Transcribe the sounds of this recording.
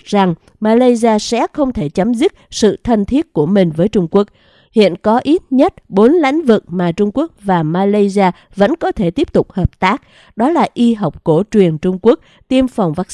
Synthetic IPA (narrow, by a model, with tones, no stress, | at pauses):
za˨˩ŋ | maː˧laː˧jzi˧aː˧sɛ̰˧˥xə˧wŋ͡mt̪ʰe˧˩t͡ɕa˨˦mzi˦˥t̚sɨ̰˧˨t̪ʰə˧nt̪ʰi˦˥ət̚ku˧˩əmï˨˩ŋ̟vəː˨˦jt͡ɕʊ˧ŋ͡mku˦˥ək̚ | hḭ˧˨ənkɔ˨˦ʔi˦˥t̚ɲə˦˥t̚ɓo˨˦nla̰˧˥jŋ̟vɨ̰˨˩k̚maː˨˩t͡ɕʊ˧ŋ͡mku˦˥ək̚vaː˨˩maː˧la˧jzi˧aː˧ | və̰˧˥nkɔ˨˦t̪ʰe˧˩t̪i˦˥əp̚t̪ʊ˨˩k͡p̚həː˨˩p̚t̪aː˦˥k̚ | ɗɔ˨˦laː˨˩ʔi˧ɦa˨˩wk͡p̚ko˧˩t͡ɕwi˨˩ənt͡ɕʊ˧ŋ͡mku˦˥ək̚ | t̪i˧əmfa˨˩wŋ͡mvaː˦˥k̚